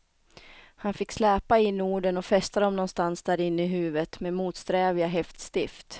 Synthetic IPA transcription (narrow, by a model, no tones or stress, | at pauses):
hanfɪkːslɛːpaɪnːuːɖənɔfɛst̪ad̪ɔmnɔnst̪ansd̪æːɾɪnːəɪɦʉ̟ːvət̪meːmuːt̪st̪ɾɛːvɪaɦɛft̪st̪ɪft̪